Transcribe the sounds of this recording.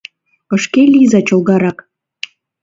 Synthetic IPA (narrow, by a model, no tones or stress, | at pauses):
pə̆ʃkelʲizɑt͡ɕolɣɑɾɑk